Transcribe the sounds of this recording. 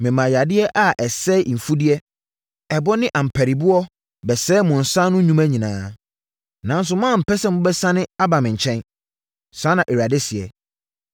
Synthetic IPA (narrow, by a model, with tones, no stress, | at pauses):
mɪ̃˨mã˨ja˨dɪ˦ɛ˦ʔa˨ʔɛ˨sɛ˦ʔ̩˨fu˦di˦ɛ˦ | ɛ˨bɔ˦nɪ̃˦ʔã˨m̩˨pʰæ˨ɾi˨bu˦ɔ˦ | bɛ˨sɛː˦mʊ̃˨n̩˨sã˦nʊ̃˦ɲũ˦mæ˦ɲĩ˨nãː˨˦ | nã˨˦n˦s̬ʊ˨mã˦˨m̩˨pʰɛ˦sɛ˦mʊ̃˦bɛ˦sã˦nɪ̃˦a˦bã˨mɪ̃˨ɲ̩˨t͡ɕʰɛ̃˦n | sã˨˦nã˨ʔe˨ɾa˨dɪ˦sɪ˨ɛ̰˨